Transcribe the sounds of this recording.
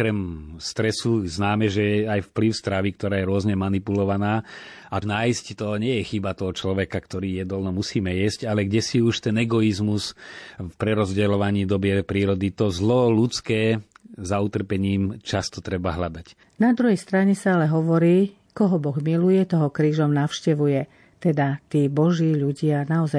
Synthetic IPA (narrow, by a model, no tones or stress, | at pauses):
ɔkɾɛmst̪ɾɛsuznaːmɛʒɛɛajfpliʊst̪ɾaʋik̚t̪ɔɾaːjɛɾʊɔzɲɛmanipulɔʋanaː | anaːjsct̪ɔɲɪɛjɛxibat̪ɔɦɔt͡ʃlɔʋɛkakt̪ɔɾiːjɛd̪ɔlnɔmusiːmɛjɛscalɛɡɟɛsiuʃt̪ɛnɛɡɔizmusfpɾɛɾɔzɟɛlɔʋaɲiːd̪ɔbɪɛpɾiːɾɔd̪it̪ɔzlɔlut͡skɛːzaut̪r̩pɛɲiːmt͡ʃast̪ɔt̪ɾɛbaɦlad̪ac | nad̪ɾuɦɛjst̪ɾaɲɛsaalɛɦɔʋɔɾiː | kɔɦɔbɔɣmilujɛt̪ɔɦɔkɾiːʒɔmnaʊʃcɛʋujɛ | t̪ɛd̪at̪iːbɔʒiːʎuɟɪanaɔzaj